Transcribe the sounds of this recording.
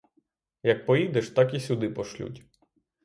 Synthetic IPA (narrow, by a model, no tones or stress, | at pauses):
jɐk̚pɔjid̪ɛʃt̪ɑkisʲud̪ɪpɔʃlʲṵtʲ